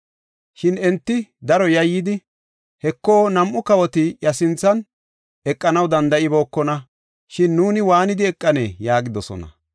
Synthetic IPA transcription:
ʃɪnɛnt̪ːɪd̪ɐɾɔjɐjːɪd̪ɪ | hɛkːo̞ːnɐmʔʊkɐwɔt̪ɪjɐsɪnt͡sːɐn | ɛkʼːɐnɐwd̪ɐnd̪ɐʔɪbo̞ːkːɔnɐ | ʃɪnːuːnɪwaːnɪd̪ɪɛkʼːɐneːjaːɡɪd̪ɔsɔ̰nɐ̰

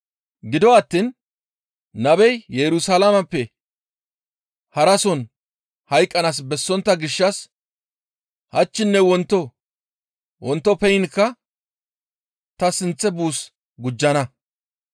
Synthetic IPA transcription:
ɡɪd̪ɔɐt̪ːinː | ɐbɛjjɛɾʊsalamɐpːɛ | hɐɾɐsɔn | hɐjkʼːɐnaːs̬bɛsːɔnt̪ːɐɡɪʃːɐs | hɐt͡ʃːɪnːɛwɔnt̪ːɔ | wɔnt̪ːɔpɛjɪnkːɐ | t̪ɐsɪnt͡sːɛbuːs | ɡʊd͡ʒːɐnɐ

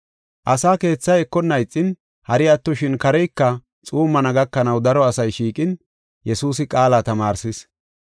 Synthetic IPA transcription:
ʔɐsaːke̞ːt͡sːɐjɛkːɔnːɐjt͡sʼːɪn | hɐɾɪɐt̪ːɔʃɪnkɐɾɛjkːɐ | t͡sʼuːmːɐnɐɡɐkːɐnɐwd̪ɐɾɔɐsɐjʃiːkʼɪn | jɛsuːs̬ɪkʼaːlaːt̪ɐmaːɾsɪs

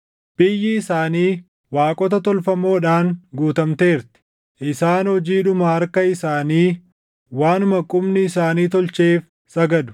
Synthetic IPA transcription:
b̥ɪjːɪɪsaːniː | waːkʼɔt̪ɐt̪ɔlfɐmo̞ːᶑaːŋɡuːt̪ɐmt̪e̞ːɾt̪ɪ̥ | ʔɪsaːnhɔd͡ʒiːᶑʊmɐhɐɾkɐɪsaːniː | waːnʊmɐkʼʊmnɪːsaːniːt̪ɔlt͡ʃeːf | sɐɡɐd̪ʊ̥

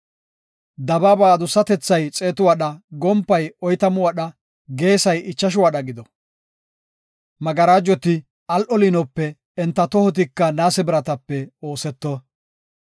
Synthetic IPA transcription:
d̪ɐbabaːd̪ʊsɐt̪ɛt͡sːɐjt͡sʼe̞ːt̪ʊwaɗɐɡɔmpːɐjɔjt̪ɐmʊwɐɗɐ | ɡe̞ːsɐjɪt͡ʃːɐʃ̬ʊwaɗɐɡɪd̪ɔ | mɐɡɐɾaːd͡ʒːɔt̪ɪ | ɐlʔɔlɪnɔpːɛ | ɛnt̪ːɐt̪ɔhɔt̪̬ɪkːɐnaːsɛbɪɾɐt̪ɐpːɛo̞ːsɛt̪ːɔ

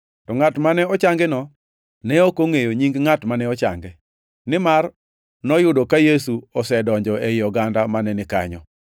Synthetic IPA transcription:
tɔŋatmanɛɔt͡ʃaŋɡɛnɔ | nɛokoŋejoɲiŋɡŋatmanɛɔt͡ʃa̰ŋɡɛ | nɪmar | nɔjʊdɔkajesuɔsɛdɔɲd͡ʒɔɛjɔɡandamanɛnɪka̰ɲɔ̰

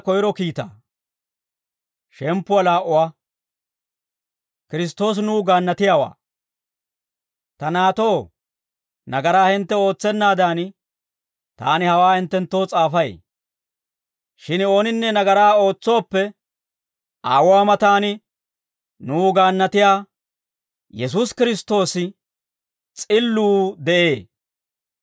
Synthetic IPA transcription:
kɔjɪɾɔkiːt̪a̰ː | ʃɛmpːʊwɐlaːʔːʊwa | kɪɾɪs̬t̪o̞ːs̬nuːɡaːnːɐt̪ɪjaːwa̰ː | t̪ɐnaːt̪o̞ː | nɐɡɐɾaːhɪnt̪ːɛo̞ːt͡sːɛnːaːd̪aːn | t̪a̰ːnɪhɐwaːhɪnt̪ːɛnt̪ːo̞ːt͡sʼaːfɐj̰ | ʃɪno̞ːnɪnːɛnɐɡɐɾaːo̞ːt͡sːo̞ːpːɛ | ʔa̰ːwʊaːmɐt̪aːnɪ | nuːɡaːnːɐt̪ɪjaː | jɛs̬ʊskɪɾɪst̪o̞ːsɪ | t͡sʼɪlːuːd̪ɛʔe̞ː

